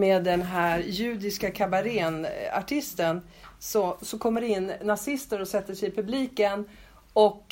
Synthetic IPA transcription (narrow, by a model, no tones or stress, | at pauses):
meːd̪ːɛnɦæːɾjʉ̟ːd̪ɪskakʰabaɾeːna̰ʈʰɪst̪ən | sɔsɔkʰɔmːəɖɛɪnːasɪst̪əɾɔsɛt̪ːəʂɛjɪpʰɵbliːkən | ɔk